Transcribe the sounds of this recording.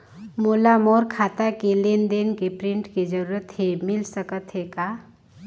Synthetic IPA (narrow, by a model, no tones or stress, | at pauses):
molamoɾkʰat̪akelend̪enkepɾiɳʈked͡ʒəɾuɾət̪ɦemilsəkət̪ɦeka